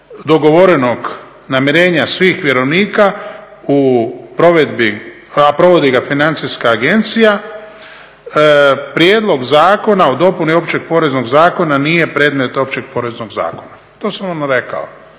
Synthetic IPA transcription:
d̪o̞ɡo̞ʋo̞ɾeno̞ɡ | namjeɾe̞ːɲasʋiːxʋje̞ɾo̞ʋniːka | upɾo̞ʋed̪bi | apɾo̞ʋo̞d̪iɡafinant̪siskaːɡe̞nt̪sija | pɾjeːd̪lˠo̞ɡzaːko̞naud̪o̞punio̞pt͡ɕeɡ̚po̞ɾe̞zno̞ɡzaːko̞nanije̞pɾeːd̪me̞t̪o̞p̚t͡ɕeɡ̚po̞ːɾezno̞ɡza̰ːkona | t̪o̞ːsamonɾe̞ka̰o

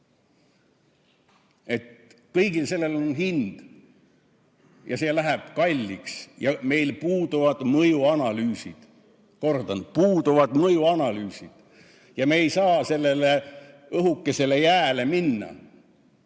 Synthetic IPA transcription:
e̞t̪kɤjɡ̥ilse̞lːe̞lo̞nɦind̪̥ | jɑse̞ːlæɦeb̥kɑlʲːiksjɑme̞jlpuːd̪uvɑd̪̥mɤjuɑnɑlyːsḭd̪̥ | ko̞rd̪̥ɑn̥̚puːd̪uvɑd̪̥mɤjuɑnɑlyːsid̪̥ | jɑmeːjsɑːse̞lːe̞le | ɤɦukːe̞se̞le̞jæːle̞minːɑ̰

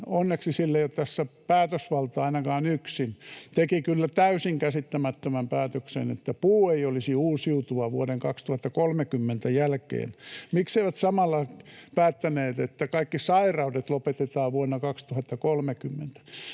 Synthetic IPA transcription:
onːeksisilːejott̪æsːæpæːt̪øsʋɑlt̪ɑɑinɑkɑːnyksint̪ekikylːæt̪æysiŋkæsit̪ːæmæt̪ːømæmpæːt̪øksḛnḛt̪ːæpuːeiolisiuːsiut̪uɑʋuoɾeŋkɑkst̪uhɑt̪ːɑkolmekymːent̪æjælkḛːnmikseiʋæt̪sɑmɑlːɑpæːt̪ːæneːt̪et̪ːækɑikːisɑirɑudet̪lopet̪et̪ɑːʋuonːɑkɑkst̪uhɑt̪ːɑkolmekymːent̪æ̥

